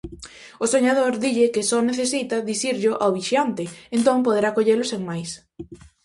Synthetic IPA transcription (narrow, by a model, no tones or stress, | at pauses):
ʊsoɲaðoɾðiʎɪkɪsɔneθesit̪ɐðiθiɾʎʊʔawβiʃjant̪ɪent̪oŋpoð̞eɾakoʎelʊseŋmajs